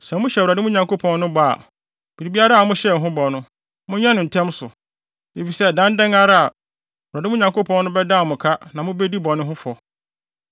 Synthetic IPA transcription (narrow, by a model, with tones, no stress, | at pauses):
sɛ̃˨mʊ̃˦ɕɛ˨ɾa˨dɪ˦mʊ̃˦ɲã˨ŋkʰo˦pʰɔ̃˦nnʊ̃˦ba˦˨a̰˨ | b̥i˨ɾi˨bi˦a˦ɾa˦a˨mʊ̃˦ɕɛ˦˨ɦʊ̃˦bɔ˨nʊ̃˦ | mʊ̃˦ɲã˦nʊ̃˨n̩˨tʰɛ̃˦msʊ˨ | de˨fi˨sɛ˦˨dã˦n˦dɛ̃˦ŋa˦ɾa˦a˨ | wu˨ɾa˨dɪ˦mʊ̃˦ɲã˨ŋko˦pʰɔ̃˦n˦nʊ̃˦bɛ˦dã˦˨mʊ̃˨kʰa˦nã˨mʊ̃˦be˦di˦bɔ˨nʊ̃˦ɦʊ̃˦fɔ˨